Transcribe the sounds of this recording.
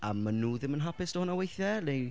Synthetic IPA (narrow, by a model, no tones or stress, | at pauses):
a̰manuːðɪmənɦapɪsd̥ɔhʊnawejθɛle